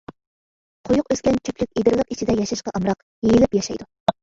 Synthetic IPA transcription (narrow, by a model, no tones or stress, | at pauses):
qʰojʊqøskʲɛnt͡ʃʰøkʲlykʲid̪ɪɾlˠəqit͡ʃʰid̪ɛjɑʃɑʃqɑʔɑmɾɑq | jejɪlɪpjɑʃɑjd̪u